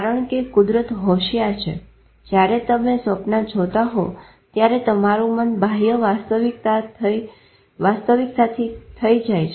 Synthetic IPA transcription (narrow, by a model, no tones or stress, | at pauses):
kaɾəɳ̃kekʊd̪ɾət̪ɦoʃjat͡ʃʰḛ | d͡ʒjaɾet̪əmesʋəpnad͡ʒʰʱot̪aɦo | t̪jaɾet̪əmaɾũmənbʱaɦijəʋast̪əʋik̚t̪a | ʋast̪əʋiksat̪ʰit̪ʰəid͡ʒajt͡ʃʰ